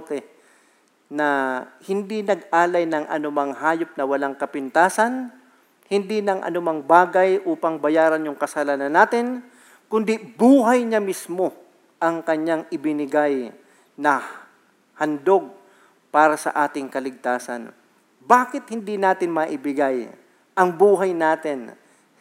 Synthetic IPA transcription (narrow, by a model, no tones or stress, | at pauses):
t̪ɛ | nɐhɪnd̪inɐɡʔaːlɐjnɐŋʔɐ̰nʊmɐŋhaːjop̚nɐwɐlaŋkɐpɪnt̪aːsɐn | hɪnd̪inɐŋʔɐ̰nʊmaŋbaːɡɐjʔuːpɐŋbɐjaːɾɐnjʊŋkɐsɐlaːnɐnːaːt̪ɪn | kʊnd̪ibuːɦɐjɲɐmismo̞ | ʔɐŋkɐɲaŋɪbɪnɪɡaj | nɐ | hɐnd̪o̞ɡ̚ | paːɾɐsɐ̰ʔaːt̪ɪŋkɐlɪɡ̚t̪aːsɐ̰n | baːkɪt̪̚hɪnd̪inaːt̪ɪnmɐʔɪbɪɡaj | ʔɐŋbuːɦɐjnaːt̪ɪn